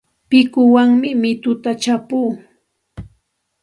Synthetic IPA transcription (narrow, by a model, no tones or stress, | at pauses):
pɪkʊwaŋmɪmɪt̪ʊt̪at͡ʃapuː